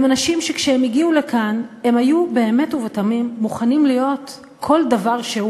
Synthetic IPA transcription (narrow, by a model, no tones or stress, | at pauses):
manaʃimʃekʃeemiɡiulekʰane̞mhajube̞ːme̞tuvetamimːuχanimlijo̞t | kʰo̞ldavaʁʃeu